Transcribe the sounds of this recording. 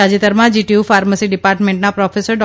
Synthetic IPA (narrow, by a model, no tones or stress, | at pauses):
ad͡ʒit̪əɾmãd͡ʒiʈiufaɾməsiɖipaɾʈmẽɳʈnapɾɔfʰesəɾɖɔ